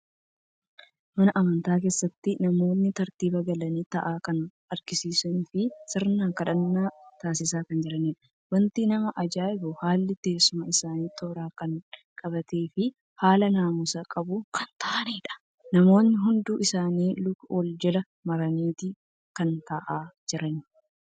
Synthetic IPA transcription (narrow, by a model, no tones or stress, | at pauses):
mɐnɐʔɐmɐnt̪aːke̞ːsːɐt̪ːɪnɐmo̞ːnːɪt̪ɐɾt̪iːbɐɡɐlɐniːt̪ɐʔaːkɐn | ɐɾɡɪsiːsʊnfɪsɪɾnaːkɐᶑɐnːaːt̪aːs̬ɪsaːkɐnd͡ʒɪɾɐniːᶑɐ̥ | wɐnt̪iːnɐmɐʔɐd͡ʒaːʔɪbʊhaːlːɪt̪e̞ːsʊmɐɪsaːniːt̪ʰoːɾaːkɐnkʼɐbɐt̪e̞ːfɪ | haːlɐnaːmʊsɐkʼɐbʊkʰɐnt̪ʰɐʔɐniːᶑɐ̥ | nɐmo̞ːnːɪɦʊnd̪uːʔɪsaːniːlʊkwɔld͡ʒɛlɐ | mɐɾɐniːt̪ɪ | kɐnt̪ɐʔaːd͡ʒɪɾɐn